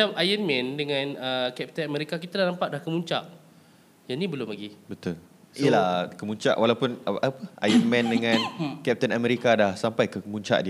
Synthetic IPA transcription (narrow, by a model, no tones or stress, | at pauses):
at͡ʃamajənmɛ̃ndəŋãnəkɛp̚t̪ənameɾikakit̪alanampaʔ̚dlahkəmuɲt͡ʃaʔ | janĩbəlʊmlaɡibət̪ʊl | iəlahkəmuɲt͡ʃa̰ʔwalawpʊnapəʔa̰jənmɛ̃ndəŋãnkɛp̚t̪ənamɛɾikadahsampajkəmuɲt͡ʃa̰ʔdi